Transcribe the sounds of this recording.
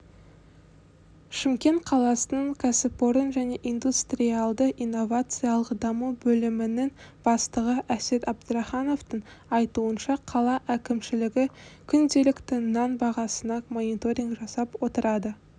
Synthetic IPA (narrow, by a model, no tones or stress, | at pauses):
ʃɪmkʲe̞nt̪qʰɑlˠɑsənəɴkʰasɪpoɾənʒæne̞ʔind̪ust̪rʲialˠd̪əʔijnːo̞vat̪sɨjɑlˠəqd̪ɑmubɵlɪmɪnɪŋb̥ɑst̪əʁəʔæse̞t̪ɑb̚d̪əɾɑχɑno̞ft̪əɴɑjt̪uənʃɑqʰɑlˠɑʔækʲɪmʃɪlɪɡʲɪkʲʰʏnd̪e̞lɪkt̪ɪnɑnbɑʁɑsənɑmo̞nit̪o̞ɾʲiŋɡʒɑsɑpwo̞t̪əɾɑd̪ə